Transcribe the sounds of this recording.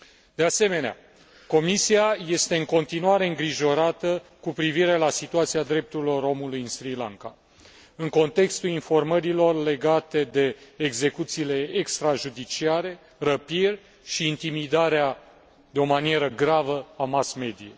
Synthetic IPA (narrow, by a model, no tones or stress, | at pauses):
d̪̥e̞ase̞me̞nea̰ | ko̞misiaje̞st̪e̞ɨŋko̞nt̪inuaɾe̞ɨŋɡɾiʒo̞ɾat̪əkupɾiviɾe̞lasit̪uat̪siad̪ɾe̞p̚t̪uɾilo̞ɾo̞mulujɨnsɾilaŋka | ɨŋko̞nt̪e̞kst̪ulinfo̞rməɾilo̞rle̞ɡat̪e̞d̪e̞ːɡze̞kut̪siːle̞ekst̪ɾaʒud̪it͡ʃiaɾe̞ | rəpirʲ | ʃiːnt̪imid̪aɾea | d̪eo̞manije̞ɾəɡɾavəamasme̞d̪ie